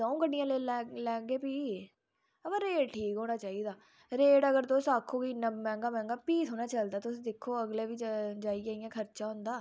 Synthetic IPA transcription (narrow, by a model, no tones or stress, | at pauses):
d̪ɔ̃ːũːkəɳɖɪjãːleːɛlɛːɡeːpiː | əbəɾeːʈʰiːkɦoːnaːt͡ʃaːiːd̪aː | ɾeːʈəɡəɾt̪osaːkʰːoːkiːnəmɛ̃ːŋɡaːmɛ̃ːŋɡaːpiːsɦoːnaːt͡ʃəld̪aːt̪ʊsd̪ɪkʰːoːəɡleːʋiːd͡ʒaːiːaːɪjãːkʰəɾt͡ʃãːɦʊ̃nd̪aː